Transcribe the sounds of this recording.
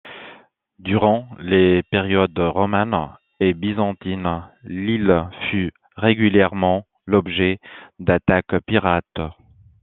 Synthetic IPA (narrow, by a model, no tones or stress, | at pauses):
d̪yʁɑ̃lepeʁjɔd̪ʁɔmɛn | ebizɑ̃t̪inlilfy | ʁeɡʲyljɛʁmɑ̃ | lɔbʒɛd̪at̪akpiʁat̪